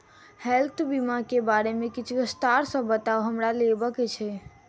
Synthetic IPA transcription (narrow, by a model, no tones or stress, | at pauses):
hɛlt̪ʰbimakebaɾemẽkit͡ʃʰkəst̪aɾsə̃bət̪aoɦəmɾalebəket͡ʃʰɛ